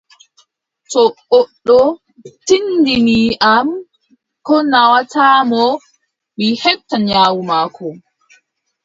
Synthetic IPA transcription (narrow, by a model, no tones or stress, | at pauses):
tɔɓɔɗːɔ | tindimiːʔam | kɔnawatʰaːmɔ | mihɛtːaɲaːwumaːkʰɔ